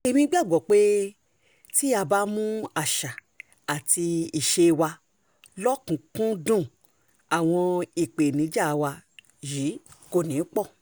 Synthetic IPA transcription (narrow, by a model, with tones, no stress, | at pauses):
e˧mĩ˧˦ɡ͡ba˦˨ɡ͡bɔ˨k͡pe˦ | ti˦a˧ba˦mũ˦a˦˨ʃa˨ | a˨ti˧i˨ʃe˧wa˧ | lɔ˦kũ˨kũ˦dũ˦˨ | a˨w̃ɔ̃˧i˨k͡pe˨nĩ˨˦d͡ʒa˦˨˧wa˧ | ji˨˦ko˧˨nĩ˨˦k͡pɔ˦˨